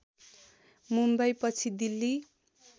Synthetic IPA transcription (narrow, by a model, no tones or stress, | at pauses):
mumbʌjpʌt͡sʰid̪ilːi